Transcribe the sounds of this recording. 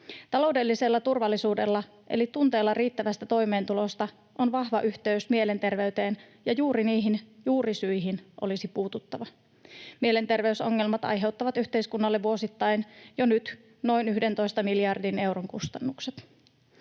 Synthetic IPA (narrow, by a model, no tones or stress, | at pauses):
t̪ɑlo̞wde̞lːiselːɑt̪urʋɑlːisuːde̞̰lːɑ | ʔe̞̰lit̪unt̪e̞ːlːɑriːt̪ːæʋæst̪æt̪o̞jme̞ːnt̪ulo̞st̪ɑ | ʔo̞nʋɑhʋɑʔyçt̪e̞ysmiele̞nt̪e̞rʋe̞yt̪e̞ːn | jɑjuːɾiniːɦinjuːrisyjɦinʔo̞̰lisipuːt̪ut̪ːɑʋɑ | mie̞le̞nt̪e̞rʋe̞yso̞ŋːe̞lmɑt̪ɑ̰jɦe̞wt̪ːɑʋɑt̪yht̪e̞jskunːɑlːe̞ʋuo̞sit̪ːɑjnjonyt̪ | no̞jnyhde̞nt̪o̞jst̪ɑmiljɑrdine̞wɾoŋkust̪ɑnːukset̪